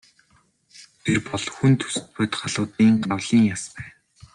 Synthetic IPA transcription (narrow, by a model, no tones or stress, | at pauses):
t̪ʰerpɔɮxunt̪ʰɵ̥sɘ̥̆t̪̚pʊt̪ɢaɮʊːt̪iːŋɢawɮ̥iːŋjaspæːn